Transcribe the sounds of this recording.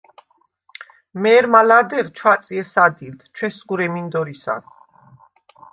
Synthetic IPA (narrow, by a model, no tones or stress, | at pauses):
mɛːɾmalad̪ɛɾt͡ʃʰwat̪sʼiɛsad̪ilt̪ʰt͡ʃʰwɛsɡuɾɛmind̪ɔɾisa̰d̪